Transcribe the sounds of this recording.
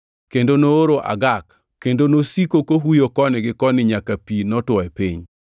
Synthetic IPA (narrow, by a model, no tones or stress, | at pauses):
kendonooɾoʔa̰ɡak | kːendonosikokoɦujokɔnɪɡɪkɔnɪɲakapinɔtwɔɛpiɲ